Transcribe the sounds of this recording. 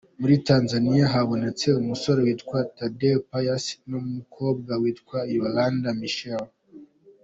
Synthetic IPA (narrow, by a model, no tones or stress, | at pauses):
muɾitaːnzanijaɦaβo̞ne̞t͡se̞umuso̞ɾewiːtkwatadelpajasnomumukʰo̞ːb̚ɡawiːtkwaiβalandamiʃel